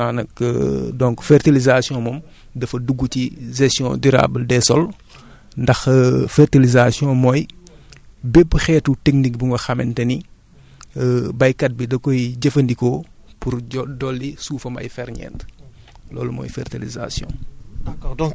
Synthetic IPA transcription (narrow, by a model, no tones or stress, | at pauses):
anɐkdɔ̃ŋkfɛrtilizasjɔ̃mɔm | dɐfɐduɡːuciʒɛstjɔ̰̃dyɾa̰ːbəldɛsɔl | ndɐxfɛrtilizasjɔ̃mɔːj | bɛpːxɛːtutɛk̚nik̚buŋɡɐxɐmɛ̰ntɛni | bɐjkɐt̚bidɐkɔjɟɐfɐndikɔpuɾdɔlːisuːfɐmɐ̰jfɛɾɲɛ̰ːnt | lɔ̰ːlumɔ̰ːjfɛrtiliza̰sjɔ̰̃ | dɔ